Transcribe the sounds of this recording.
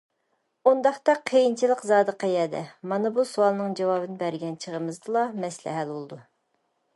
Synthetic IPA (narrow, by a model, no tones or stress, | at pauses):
und̪ɑχt̪ɑqʰejint͡ʃʰilˠəqzɑːd̪əqʰɑjɛːd̪ɛ̰mɑnɨbusuɑlˠnɨŋd͡ʒɑwɑːbɨnɨbæɾɡʲɛnt͡ʃʰəʁəmɨzd̪ɨlˠɑmɛslæ̰ɦælbolˠɨd̪u